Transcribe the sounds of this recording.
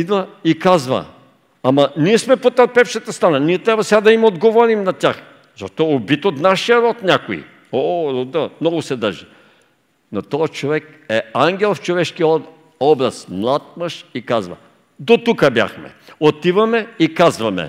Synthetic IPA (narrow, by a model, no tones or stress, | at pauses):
id̪vɐikazvɐ̰ | amɐniɛsmɛpot̪ɐɾpɛfʃɐt̪ɐst̪ɾananiɛt̪ɾʲabvɐsɛɡad̪ɐimod̪ɡovɔɾimnɐt̪ʲax | zɐ̰ʃt̪ɔobit̪ot̪naʃijɐɾɔt̪nʲakoḭ | ood̪əmnɔɡʊsɛd̪əɾʒi | not̪ɔjət͡ʃovɛk̚ | ɛaŋɡʲɛlˠft͡ʃovɛʃkij | ɔbɾɐsmlˠat̪̚məʃikazvɐ̰ | d̪ot̪ukəbja̰xmɛ̰ot̪ivɐmɛikazvɐmɛ̰